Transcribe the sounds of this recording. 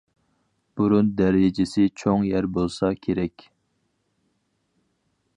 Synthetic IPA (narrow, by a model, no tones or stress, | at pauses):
b̥uɾund̪æɾɪd͡ʒɪsɪt͡ʃʰoŋjæɾbolˠsɑkʲʰeɾɛkʲ